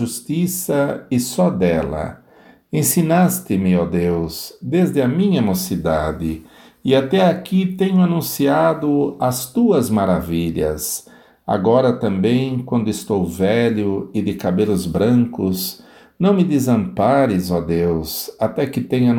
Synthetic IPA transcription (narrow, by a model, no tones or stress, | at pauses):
ust̪isɐɪsɔd̪ɛlɐ̰ | ẽsinast̪ɪmɪɔd̪ewzd̪ezd̪ɪɐmĩɲɐemosid̪ad̪ɪ | ɪat̪ɛakit̪ẽɲʊanũsiad̪ʊɐst̪uɐzmaɾaviʎɐ̰s | a̰ɡɔɾɐt̪ɐ̃mbẽj̃kwɐ̃nd̪ʊɪst̪owvɛʎʊɪd̪ɪkabelʊzbɾɐ̃ŋkʊz | nɐ̃w̃mɪd̪ezɐ̃mpaɾɪzɔd̪ewzat̪ɛkɪt̪ẽɲɐ